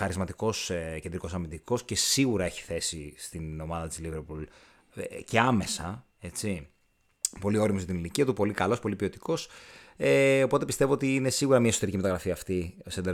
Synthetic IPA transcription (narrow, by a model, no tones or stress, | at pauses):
ɐɾizmɐt̪iko̞sce̞nd̪ɾiko̞sɐmind̪iko̞sce̞siɣuɾɐe̞çi̥θe̞sist̪ino̞mɐðɐt̪izliveɾpul | ce̞ɐme̞sɐ̰ | e̞t͡si | po̞lio̞ɾimoʝɐt̪iniliciɐt̪upo̞likɐlo̞spo̞lipio̞t̪i̥ko̞seo̞po̞t̪̬epist̪evo̞ot̪iine̞siɣuɾɐmiɐesot̪eicime̞t̪ɐɣɾɐfiɐːft̪isend̪e